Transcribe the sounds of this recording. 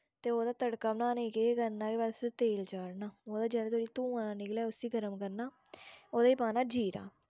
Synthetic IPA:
t̪eːoːd̪aːt̪əɽkaːbnãːnẽkeːkəɾnãːkiːʋaɾset̪eːld͡ʒaːɽnaːoːd̪aːd͡ʒɛːleːt̪ʰoːɽiːt̪ũːaːnaːnɪklɛːʊsiːɡəɾəmkəɾnaː | oːd̪aːiːpaːnaːd͡ʒiːɾa̰ː

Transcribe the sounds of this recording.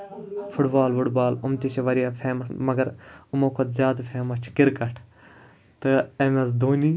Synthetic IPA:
fʰʊʈbaːlʋʊʈbaːlʊmt̪iʃʰeʋɐɾijaːpʰeːmɐsmɐɡɐɾumoːkʰot̪zʲjaːd̪pʰeːmɐt͡ʃʰkɪɾkɐʈʰ | t̪ɨemɐs̬d̪oːniː

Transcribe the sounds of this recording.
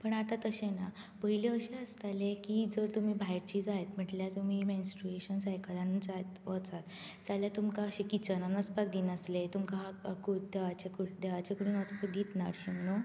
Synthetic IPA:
pəɳat̪ãt̪əɕẽna | pəɦileəɕẽəst̪alekid͡zəɾt̪um̤iːbʱaɦiɾt͡ɕiːd͡zaɦet̪m̤əʈljat̪um̤imẽnsʈɾueɕənsajkʰəland͡zat̪ʋət͡sat̪ | d͡zaljat̪umkaəɕẽkit͡ɕənanət͡sbak̚d̪iːnəslet̪umkaɦaəkud̪eʋat͡ɕekuɽd̪eʋat͡ɕekuɽunət͡sapəd̪it̪na̰ɾɕimno

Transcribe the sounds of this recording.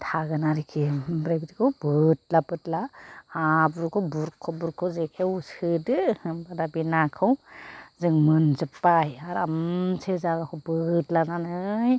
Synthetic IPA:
tʰaɡɯnaɾikʰibɾebzikʰɯwbɯt̚labɯtlaabuɾkʰɔbuɾkʰɔbuɾkʰɔwzekʰewusɯdɯbadabinakʰɯwzɯŋmɯnzɯpːajaɾamsʰezaɡakʰɔbɯtlananɯj

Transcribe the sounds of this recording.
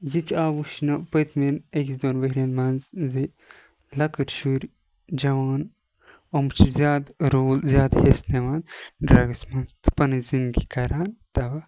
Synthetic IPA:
jit̪ʰaːʋuʃnɐpɐt̪ʰmineksd̪oːnʋɐɾʲɐnmɐnzzi | lɐkɨɾʃuɾ | d͡ʒɐʋaːn | omɨt͡ʃʰzjaːd̪ɾoːlzʲjaːd̪hesneʋaːnɖɾaɡɐsmɐnzt̪ɨ̥pɐnɨzind̪ɡikɐɾaːnt̪ɐʋɐ

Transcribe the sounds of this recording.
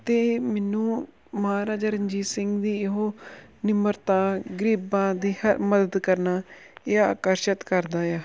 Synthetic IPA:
t̪eːmɛːnũː | məɦaːɾaːd͡ʒəɾəɲd͡ʒiːsɪŋɡd̪iːɪɦoːnɪməɾt̪ãːɡəɾiːbãːd̪iːhəɾməd̪əd̪kəɾnaː | ɪaa̰ːkəɾʃət̪kəɾd̪aːjaː

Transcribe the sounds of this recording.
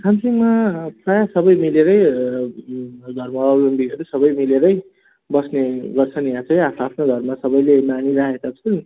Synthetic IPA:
kʰamsimaprajasʌbʌjmileɾʌj | ɡʱʌrmaʌlʌmbiɡʱʌɾusʌbʌjmileɾʌj | bʌsneɡʌrt͡sʰʌnjãt͡sʌj̃apʰapʰnoɡʱʌrmasʌbʌjlemaniɾaɦekat͡sʰʌn

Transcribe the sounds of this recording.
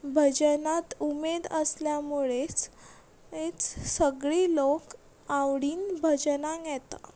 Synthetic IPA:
bʱəd͡ʑənat̪umed̪əsljamuɭet͡s | et͡ssəɡɭilok | awɽiːnbʱəd͡ʑənaɡɛt̪a̰

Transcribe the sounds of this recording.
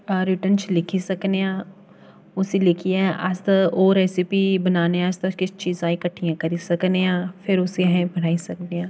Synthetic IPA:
ɾɪʈənt͡ʃlɪkʰisɐkneã | ʊsilɪkʰiɛ̃ʔa̰st̪ɐoːɾɛːsipibɐnaːneɛːst̪ɐkɪt͡ʃiːzaːikɐʈʰijãkɐɾisɐkneãːfʰɪɾʊsiɦɛ̃bɐɽaːisɐkneãː

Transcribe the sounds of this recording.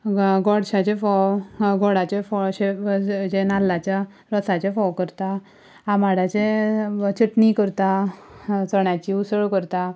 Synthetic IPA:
ɡɔɽɕat͡ɕefɔwɡɔɽat͡ɕefɔɕed͡ʑenalːat͡ɕja | ɾəsat͡ɕefɔwkəɾt̪a | amaɽat͡ɕet͡ɕiʈnikəɾt̪a | t͡səɳjat͡ɕiusəɭkəɾt̪a

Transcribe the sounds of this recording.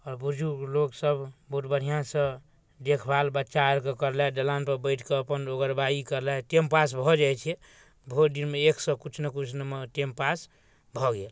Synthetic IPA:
ɔɾbud͡ʒʱuloksəbʱboʈbəɽ̤ijãsə̃ | d̪ekʰbalbətːʃaəɾkekəɾlɛɖəlanpəɾbəɪʈʰkeəpənoɡəɾbaikəɾlɛʈempas̬bʱɔd͡ʒajt͡ʃʰɛ | bʱod̪inmeekʰsə̃kut͡ʃʰnəkut͡ʃʰnəmeʈempas | bʱɔɡel

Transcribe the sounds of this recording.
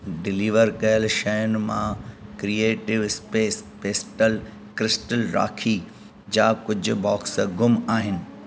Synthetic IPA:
ɖɪliːʋəɾkɐjəlʃɐjʊnɪ̆mã̰kɾieːʈɪʋɪspeːspeːsʈəl | kɾɪsʈəlɾa̰ːkʰi | d͡ʑaːkʊd͡ʑʱʊ̆bɔːksɡʊmaːɦɪnɪ̆

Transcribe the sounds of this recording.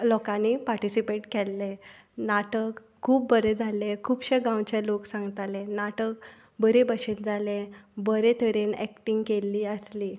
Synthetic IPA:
lɔkãnipaɾʈisipeʈkelːe | naʈəkʰːuːp̚bəɾed͡zʱalekʰuːbɕeɡãwt͡ɕaloksãŋɡt̪alenaʈək̚ | bəɾebəɕet̪̚d͡zʱalebəɾet̪ʰəɾenɛ̰k̚ʈiŋɡkelːiːəsliː

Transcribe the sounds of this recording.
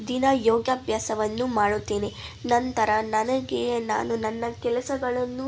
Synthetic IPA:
d̪inɐjoːɡjaːbʱjaːsɐʋɐnːumaːɽut̪ːeːnenɐnt̪ɐɾɐnɐnɐɡena̰ːnunɐnːɐkɛlɐsɐɡɐɭɐnːu

